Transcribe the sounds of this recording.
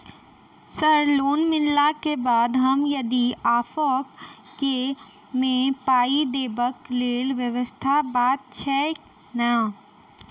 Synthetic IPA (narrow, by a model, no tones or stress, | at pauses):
səɾloːnmɪlːakebaːd̪ɦɐmjɐd̪iaːfoːkke | mẽpaːid̪eːbəkleːlʋjəʋəst̪ʰabaːt̪̚t͡ʃʰɛ | na